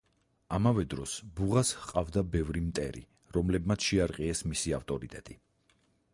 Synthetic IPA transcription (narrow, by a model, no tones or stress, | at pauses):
amavɛd̪ɾɔsbuʁashqʼavd̪abɛvɾimt̪ʼɛ̰ɾḭ | ɾɔmlɛbmat̪sʰʃɛaɾqʼiɛsmisiaft̪ʼɔɾit̪ʼɛt̪ʼi